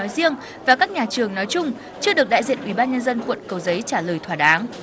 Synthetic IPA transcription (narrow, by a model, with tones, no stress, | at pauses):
ɔ˨˦jzi˧əŋ | vaː˨˩kaː˦˥k̚ɲaː˨˩t͡ɕɨ˨˩əŋnɔ˨˦jt͡ɕʊ˧ŋ͡m | t͡ɕɨ˧əɗɨ˨˩ək̚ɗa̰ː˧˨jzḭ˧˨ənʔwi˧˩ɓaː˧nɲə˧nzə˧nkwə̰˧˨nkə˨˩wzə˨˦jt͡ɕaː˧˩ləː˨˩jt̪ʰwaː˧˩ɗaː˨˦ŋ